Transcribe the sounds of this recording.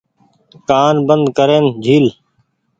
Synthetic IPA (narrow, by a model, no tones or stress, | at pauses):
kaːnbənd̪kəɾeːnd͡ʒʱiːl